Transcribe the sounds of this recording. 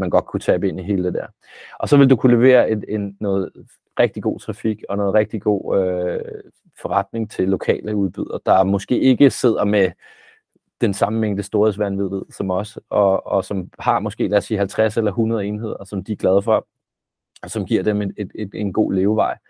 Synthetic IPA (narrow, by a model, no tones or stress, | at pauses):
mænɡ̥ɒ̽d̥̚kʰut͡sʰɛb̥əe̝n̰iɦe̝ːləd̥e̝d̥æɐ̰ | ʔɒ̽sɒ̽ʋe̝ldukʰule̝ʋe̝̰ːɐe̝e̝nːɔ̽ːð̩ˠ | ʁɛɡ̥d̥iɡ̥o̝̰ːt͡sʰʁɑ̈fiɡ̥ɒ̽nɔ̽ːð̩ˠʁeɡ̥̚d̥iɡ̥o̝̰ːø | fɒ̽ʁɑ̈d̥ne̝ŋt͡sʰe̝lːo̝kʰɛ̰ːləuðˠb̥yð̞̰ˠɐd̥ɑ̈mɔ̽sɡ̥e̝̰ːe̝ɡ̥əse̝ð̞̰ˠɐme | d̥ensɑ̈məmeŋ̰d̥əsd̥o̝ːɐesʋænʋiðˠʋið̰ˠsɒ̽mɒ̽səɒ̽ɒ̽sɒ̽mhɑ̈mɒ̽sɡ̥e̝̰ːlæɐsḭːhælt͡sʰʁas̬elɐɦunɐð̞ˠe̝ːnɦe̝ð̰ˠɐsɒ̽md̥iɡ̥lɛð̞ˠfɒ̽ | sɒ̽mɡ̥iɐ̰d̥emee̥e̥e̝nɡ̥o̝̰ːle̝ːʊʋɑ̈ɪ̰